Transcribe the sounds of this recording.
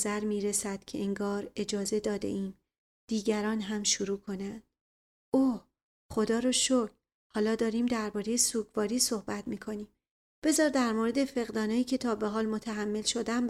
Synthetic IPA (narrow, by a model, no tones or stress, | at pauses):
zæɾmiːɾesæd̪̥̚cʰe̞eŋɡɒːɾe̞d͡ʒɒːze̞d̪ɒːd̪e̞̰ʔiːm | d̪̥iːɟæɾɒːnɦæmʃuɾuːkʰo̞nænd̪̥̚ | oː | χo̞d̪ɒːɾoʃokʰ | hɒːlɒːd̪ɒːɾiːmd̪æɾbɒːɾe̞jesuːɡvɒːɾiːsohbæt̪ʰmiːkʰo̞niːm | b̥e̞zɒːɾd̪æɾmoɾe̞d̪e̞fe̞ɣd̪ɒːnɒːjiːcʰe̞t̪ʰɒːbe̞ɦɒːlmo̞t̪ʰæɦæmːe̞lʃo̞d̪æm